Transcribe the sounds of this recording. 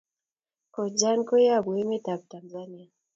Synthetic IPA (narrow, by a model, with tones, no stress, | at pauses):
kɔ˨d͡ʒa˦nkɔ˦ja˦˨bwe˦mɛ˦ta˨b̚ta˨nzani˦a˨